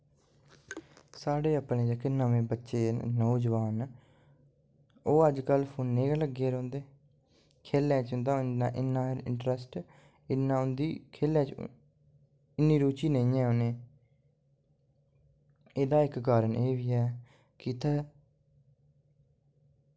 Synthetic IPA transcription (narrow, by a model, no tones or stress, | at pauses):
saːɽeːapɳeːd͡ʒakɪnəʋẽːbətːʃeːnoːd͡ʒəʋaːn | oːəd͡ʒkəlpʰʊːnːeːɡaləɡeːɾõːnd̪eː | kʰeːlɛ̃ːt͡ʃʊ̃nd̪aːãːʔɪnːãːɪɾɪ̰ɳʈɾəsʈ | ɪnːãːʊnd̪iːkʰeːlãːt͡ʃ | ɪnːiːɾuːt͡ʃiːnəĩːɛ̃ːoːnẽː | eːd̪aːɪkɡaːɾəneːʋiːɛː | kiːt̪aː